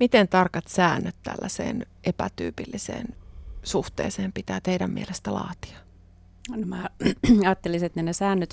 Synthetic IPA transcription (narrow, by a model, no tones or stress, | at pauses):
mit̪ent̪ɑrkɑt̪sæːnːøt̪tæ̰lːæsḛːn | ʔepæt̪y̰ːpilːisḛːnsuht̪ḛːseːmpit̪æːt̪eiɾæmːielest̪ælɑ̰ːt̪i̥ɑ̥ | nomæːɑːt̪ːeliset̪nenesæːnːøt̪